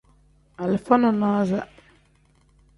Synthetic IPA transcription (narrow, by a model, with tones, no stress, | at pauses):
a˨lfa˦nɔ˨na˦za˦